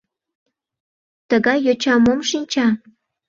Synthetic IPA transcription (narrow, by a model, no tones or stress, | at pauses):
t̪əɣɑjːot͡ɕɑmomʃinʲt͡ɕɑ